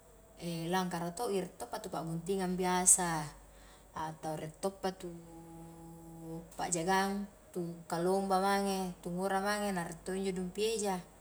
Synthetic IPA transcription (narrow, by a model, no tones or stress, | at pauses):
elaŋkaɾat̪oʔiɾɛt̪ːopːat̪upaɡunt̪iŋambiasaː | t̪auɾɛt̪ːopːat̪u | pa̰ʔd͡ʒaɡaŋ | t̪ukalombamaŋet̪uŋoɾamaŋenaɾɛt̪ːoiɲd͡ʒoduŋpied͡ʒa